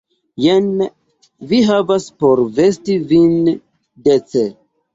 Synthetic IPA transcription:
jen | viɦavaspo̞ɾve̞stivin | det͡se

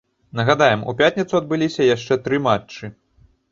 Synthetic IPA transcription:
nɐɣad̪ajɛmṵpʲat̪ʲnʲɐt̪suɐd̪̚bɨlʲisʲɐjaʂt͡ʂɛt̪ɾɨmat͡ʂt͡ʂːɨ

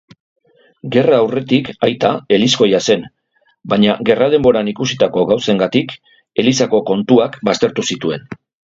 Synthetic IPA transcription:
ɡe̞raːwre̞t̪ikajt̪ae̞lisko̞jase̞n | baɲaɣe̞rað̞e̞mbo̞ɾanikusit̪ako̞ɣawse̞ŋɡat̪ik | e̞lisako̞ko̞nt̪uakbast̪e̞ɾt̪usit̪ue̞n

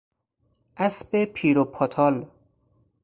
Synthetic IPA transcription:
ʔæsbepʰiːɾopʰɔt̪ʰɒːl

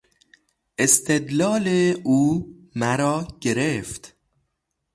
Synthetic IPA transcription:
ʔest̪ʰed̪lɒːleuː | mæɾɒːɟe̞ɾeft̪

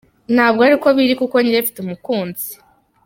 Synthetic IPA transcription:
n̥haːbɡoaɾiko̞βiɾikuko̞ɲiɾefi̥tumukuːnz̥i̥

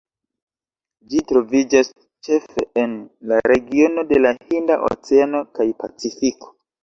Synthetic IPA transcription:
d͡ʒitɾo̞vid͡ʒas | t͡ʃe̞fe̞enlaɾe̞ɡio̞no̞de̞lahindaʔo̰t͡seano̞kajpa̰t͡sifiko̥

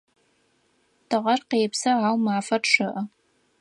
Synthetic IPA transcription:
tʰɨʁɐrqeːpsɐaːwmaːfɐrʂɨʔɐ

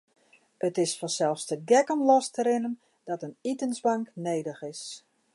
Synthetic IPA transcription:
ətɪsfɔsɛlˠfstəɡɛkomlɔstəɾɪnən | d̥ɔtənitənsbaŋkneːdəxɪs

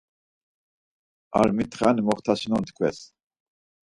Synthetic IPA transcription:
a̰ɾmit̪ʰχanimɔχt̪ʰasinɔnt̪ʰkʰwɛ̰s

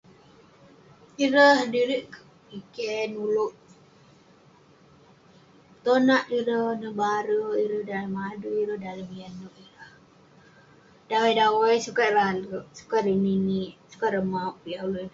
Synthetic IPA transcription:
iɾəhdiɾiʔkə | pikɛnuluʔ | t̪onaʔiɾəhnəbaɾəiɾəhdaləmaduiɾəhdaləmianuʔiɾəh | dawajdawajsukaʔɾaləʔsu̥kaʔlininiʔsu̥kaʔɾəmapːiaʔuluɾ

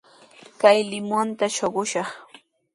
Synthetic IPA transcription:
kajlɪmʊnt̪aʃoɢʊʃɑχ

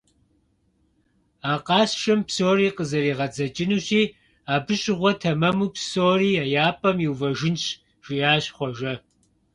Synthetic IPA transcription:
aːqɑːɕʃɐmpʰsoːriːqəzɐɾiːʁɐd͡zɐt͡ʃʼɪnuːɕiː | aːbɨɕʼɪʁʷɔtʰɐmɐmupʰsoːriːaːjaːpʼɐmjiwvɐʒɪnɕ | ʒ̥ijaːɕχʷɔʒɐ

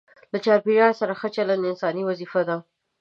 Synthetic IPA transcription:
lat͡ʃɑɾpiʒɑɾsaɾaxət͡ʃaland̪ɪnsɑniwazifad̪a

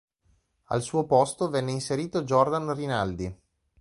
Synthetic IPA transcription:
a̰lsuːopɔst̪ovɛnːeinseɾiːt̪od͡ʒɔrd̪anrinald̪i

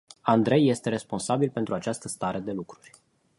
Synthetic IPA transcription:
and̪ɾe̞jːe̞st̪e̞ɾe̞spo̞nsabilpe̞nt̪ɾuat͡ʃast̪əst̪aɾe̞d̪e̞lukɾurʲ

